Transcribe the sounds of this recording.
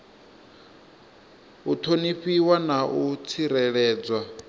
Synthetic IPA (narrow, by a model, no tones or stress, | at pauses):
utʰoniɸiwanaʔut͡sʰiɾɛɺɛːd͡zwa